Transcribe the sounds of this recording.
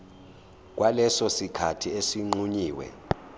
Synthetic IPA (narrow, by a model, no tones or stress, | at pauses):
k̬ʼwalɛsɔsikʰatʰiesiŋ͡ǃuɲiːwɛ̰